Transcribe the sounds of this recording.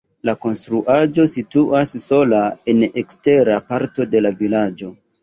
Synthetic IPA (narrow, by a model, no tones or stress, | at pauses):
lako̞nstɾuʔad͡ʒo̞situʔasːo̞lae̞nekste̞ɾapaɾto̞de̞lavilad͡ʒo̞